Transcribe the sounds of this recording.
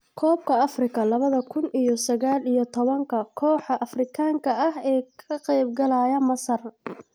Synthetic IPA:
kʰɔːb̚kʰɐɐfrɪkʰɐlɐβɐðɐkʰʊnʔijɔsɐɣaːlijɔt̪ʰɔβɐŋkʰɐkʰɔːħɐʔɐfrɪkʰaːŋkʰɐɐɦɛːkʰɐqɛjb̚ɡɐlajɐmɐsɐr

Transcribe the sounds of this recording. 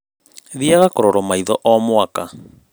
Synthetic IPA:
ðiaɣakɔɾɔɾɔmaiðɔʔɔmwaka

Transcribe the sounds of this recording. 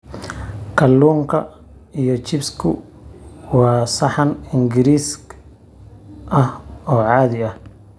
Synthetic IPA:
kʰɐlːuːŋkʰɐ̰ | ijɔt͡ʃɪbskʰʊ | wɑːsɐħɐnɪŋɡɪɾiːs | ʔɐhɔːʕɑːðɪɐh

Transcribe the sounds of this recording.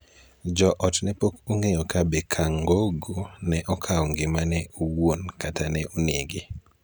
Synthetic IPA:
d͡ʒɔʔɔtnɛpokuŋejɔkabɛkʰaŋɡoɡonɛʔɔkʰaɔŋɡɪmanɛuwonkatanɛʔuneɡɪ

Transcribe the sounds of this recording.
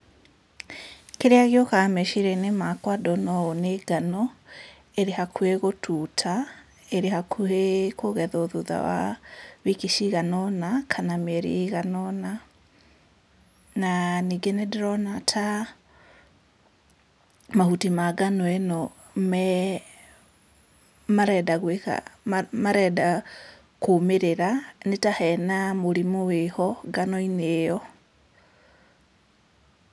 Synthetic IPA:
keɾeaɣeɔkamɛʃiɾɛnemakwadɔnɔaoneɡanɔ | eɾehakʰueɣotʰutʰa | eɾehakʰuekoɣɛðoðuða̰wa̰βikiʃiɣanɔnakʰanameɾḛɣanɔna | naniɡenedeɾɔnatʰa | mahutimaɡanwɛno | mɛ | maɾɛdaɣweka̰maɾɛda | kumeɾeɾanetahɛnamoɾimuwehɔɡanoinejɔ

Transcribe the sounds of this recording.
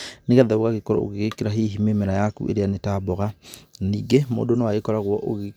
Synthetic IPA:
neɣɛðaoɣaɣekɔɾɔ̰o̰ɣeɣekeɾaɦiɦimemeɾajakṵʔḛɾeanetabɔɣaniːɡemo̰ːdonɔwaɣekɔɾaɣwɔʔoɣe

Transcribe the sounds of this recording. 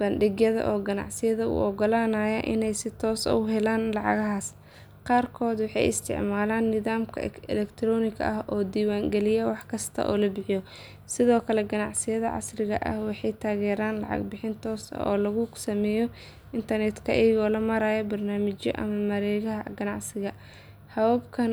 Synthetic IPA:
b̥ɐnɖɪɣjɐðɐ̰ʔɔːɡɐnɑ̰ʕsɪjɐðɐʊ̰ɔɡɔlaːnaːjɐʔɪ̰nɛjsɪt̪ʰɔːsɔ̰ɦɛlaːnlɑʕɑ̰ɣɐɦaːs | qɑːrkʰɔːd̪wɑħɑ̰jɪ̰st̪ʰɪ̰ʕmaːlaːnːɪðaːmkʰɐ̰ɛ̰lɛkt̪ʰrɔːnɪkʰɐ̰ʔɐhɔːd̪iːwaːŋɡɛlɪjɐwɑħkʰɐst̪ʰɐ̰ʔɔ̰ːlɐbɪħɪjɔ | sɪðɔːkʰɐlɛɡɐnɑʕsɪjɐðɐʕɑ̰srɪɣɐ̰ʔɐ̰hwɑħɑjt̪ʰaːɣɛːɾaːnlɑ̰ʕɑ̰ɡbɪħɪnt̪ʰɔːsɐ̰ʔɔːlɐɣʊsɐmɛːjɔ | ɪnt̪ʰɐrnɛt̪kʰɐʔɛjɣɔːlɐmɐɾaːjɔbɐrnaːmɪt͡ʃjɔ̰ʔɐ̰mɐmɐɾɛːɣɐɦɐɡɐnɑʕsɪɣɐ | hɐwabkʰɐn

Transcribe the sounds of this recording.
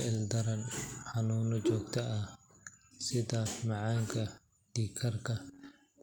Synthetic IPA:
ʔɪld̪ɐɾɐnħanuːnɔt͡ʃɔːɡ̚t̪ʰɐʔɐ | sɪðɐmɐʕaːŋkʰɐ | d̪̥iːkʰɐrkʰɐ

